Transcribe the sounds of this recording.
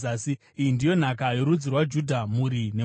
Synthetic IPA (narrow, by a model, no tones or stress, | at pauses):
aːsi | iindijo̞n̤akajoɾud͡zirwad͡ʒudʱamuɾine